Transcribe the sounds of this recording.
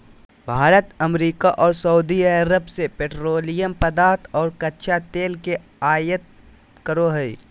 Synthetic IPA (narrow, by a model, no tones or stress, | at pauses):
bʱaːɾət̪ɐmɾiːkaʔɔːɾsəud̪iaɾəbsepeːʈɾoːlɪjəmpɐd̪aːt̪ʰɔːɾkɐtːʃʰat̪eːlke | aːjət̪̚ | kəɾoɦəi